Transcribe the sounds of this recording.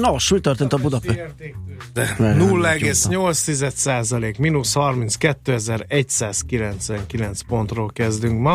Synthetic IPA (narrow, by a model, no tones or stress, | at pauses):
noʃmit̪ørt̪eːnt̪ɒbud̪ɒpied̪ɛnulːɒɛɡeːsɲo̞lt̪st̪izɛt̪saːzɒleːkminushɒrminskɛt̪ːøːɛzɛɾɛcsaːskilɛnt̪sʋɛŋkilɛnt̪spo̞nt̪roːlkɛzd̪yŋkmɒ